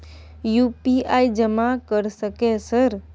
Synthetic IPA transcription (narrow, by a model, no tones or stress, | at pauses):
jupiaid͡ʒəmakəɾsəkesəɾ